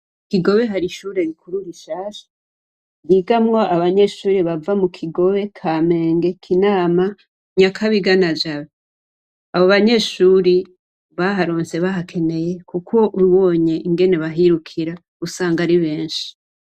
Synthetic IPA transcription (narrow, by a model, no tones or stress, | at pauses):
kiɡo̞βe̞ɦaɾiʃuːɾe̞ɾikuɾuɾiʃaːʃḁ | ɾiɡamŋo̞aβaɲe̞ʃuːɾeβavamukʰiɡo̞βe̞kʰaːme̞ːŋɡe̞kʰinaːma | ɲakʰaβiɡanad͡ʒaβe | aβoβaɲe̞ʃuɾi | βaɦaɾoːnse̞βaɦakʰe̞ne̞je̞kukʰo̞ʔuɾuwo̞ːɲe̞ʔiŋɡe̞ne̞βaɦiɾukʰiɾa | usaːŋɡaɾiβe̞ːnʃi̥